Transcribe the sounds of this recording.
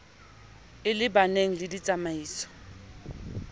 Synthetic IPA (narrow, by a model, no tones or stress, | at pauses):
ɪlɪbaneŋ̩lɪdit͡sʼamaiːsɔ̥